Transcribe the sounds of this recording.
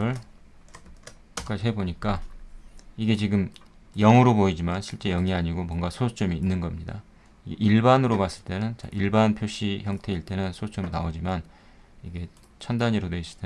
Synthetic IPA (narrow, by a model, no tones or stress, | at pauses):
ɯɭ | kak͈aiɦe̞boɲik͈a | iɡe̞t͡ɕiɡɯm | jʌŋɯɾoboid͡ʑimanɕʰiɭt͡ɕ͈e̞jʌŋiaɲiɡomwʌnɡasʰosʰu̥t͡ɕ͈ʰʌmiːnːɯnɡʌmɲida | iɡʔiɭbanɯɾomas͈ɯɭt͈e̞nɯnt͡ɕa̰ʔiɭbanpʰjoɕ͈içjʌŋtʰe̞iɭt͈e̞nɯnsʰosʰu̥t͡ɕ͈ʰʌmina̰od͡ʑiman | iɡe̞ | t͡ɕʰʌndaɲiɾodweis͈ɯ̥t͈e